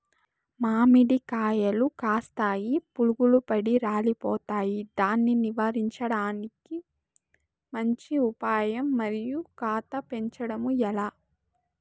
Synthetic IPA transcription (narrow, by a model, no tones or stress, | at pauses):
maːmiɽikaːjɐlukaːst̪aːjipuluɡulupɐɽiɾaːlipɔːt̪aːjid̪aːnːiniʋaːɾiɲt͡ʃɐɽaːniki | mɐɲt͡ʃiupaːjɐmːɐɾijukaːt̪ɐpe̞ɲt͡ʃɐɽɐmuɛlaː